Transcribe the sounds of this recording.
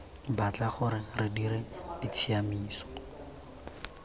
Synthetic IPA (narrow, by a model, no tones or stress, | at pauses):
bat͡ɬaχʊɾɪrɪdiɾɪdɪt͡sʰiamiːsɔ̥